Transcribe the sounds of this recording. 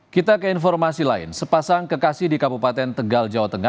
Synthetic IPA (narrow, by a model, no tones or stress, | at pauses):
kit̪akəinfɔrmasilaɪ̰nsəpasaŋkəkasɪhdikabupat̪ɛnt̪əɡald͡ʒawat̪əŋa